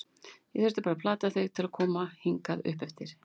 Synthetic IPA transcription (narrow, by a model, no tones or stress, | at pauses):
jɛɣθɛɾst̪ḁpaːɾapʰlaːt̪aθeɣt̪ʰɪlakʰɔːmahiŋkaðʏ̰hpɛft̪ɪɾ̥